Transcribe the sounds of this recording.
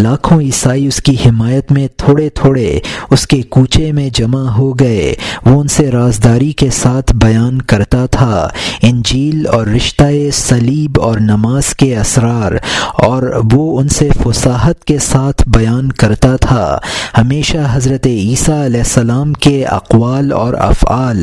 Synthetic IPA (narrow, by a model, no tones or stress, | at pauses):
laːkʰõiːsaːiʊskihɪmaːjət̪mẽt̪ʰoːɽet̪ʰoːɽeʊskekuːt͡ʃʰemẽd͡ʒɐmaɦoɡɐḛʋoʊnseɾaːzd̪aːɾikesaːt̪ʰbɐjaːnkɐɾt̪at̪ʰaɪ̃nd͡ʒiːlɔːɾːɪʃt̪aesɐliːbɔːɾnɐmaːz̥keɐsɾaːɾɔːɾʋoʊnsefʊsaːɦət̪kesaːt̪ʰbɐjaːnkɐɾt̪at̪ʰa̰ːhɐmeːʃaɦɐzɾət̪eiːsaɐlɛːsɐlaːmkeɐ̰qʋaːlɔ̰ːɾɐ̰fa̰ːl